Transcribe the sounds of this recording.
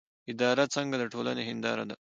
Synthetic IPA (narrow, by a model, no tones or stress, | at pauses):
ɪd̪ɑːɾat͡sɐŋɡad̪əʈʰoːla̰neɦɪnd̪ɑ̰ːɾa̰d̪a